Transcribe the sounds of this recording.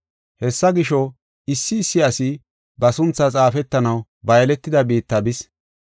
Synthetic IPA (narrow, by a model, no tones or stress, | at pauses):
hɛsːɐɡɪʃɔ | ɪsːɪːsːɪɐsɪ | bɐsʊnt͡sːɐt͡sʼaːfɛt̪ːɐnɐw | bɐjlɛt̪ːɪd̪ɐbiːt̪ːɐbɪs